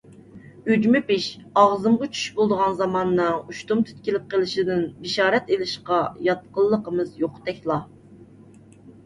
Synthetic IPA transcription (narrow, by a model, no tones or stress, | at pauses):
yd͡ʒmɪpɪʃɑʁzɨmʁɑt͡ʃʰy̥ʃbolˠd̪əʁɑnzɑmɑnːɨuʃt̪umt̪ʰy̥t̪̚kʲilɪp̚qʰəlˠɪʃid̪ɪnbɪʃɑːɾɛt̪elɪʃqɑjɑt̪̚qəlˠːəqəmɨzjoqt̪ɛkʲlˠɑ